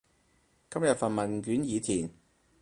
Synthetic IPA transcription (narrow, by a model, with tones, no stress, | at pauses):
kɐ˥mjɐ˨t̚fɐ˨nmɐ˨˩nk̬yː˨˥njiː˨˧t͡sʰiː˨˩n